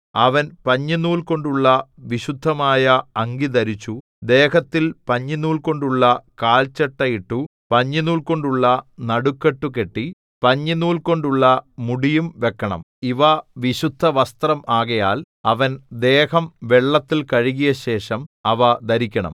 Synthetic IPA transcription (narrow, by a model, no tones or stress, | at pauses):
ɐʋɐnpɐɲːinuːlko̞ɳɖuɭːɐʋiɕud̪ʱːɐmaːjɐɐŋɡid̪ɐɾit͡ɕːu | d̪eːhɐt̪ːilpɐɲːinuːlko̞ɳɖuɭːɐkaːlt͡ɕeʈːɐjiʈːupɐɲːinuːlko̞ɳɖuɭːɐnɐɽukːeʈːuke̞ʈːi | pɐɲːinuːlko̞ɳɖuɭːɐmuɽijumʋe̞kːɐɳɐ̰m | iʋɐʋiɕud̪ʱːɐʋɐst̪rɐmʔaːɣɐjaːl | ɐʋɐnd̪eːhɐmʋeɭːɐt̪ːilkɐɻiɣijɐɕe̞ːʂɐmɐʋɐd̪ɐɾikʲːɐɳɐ̰m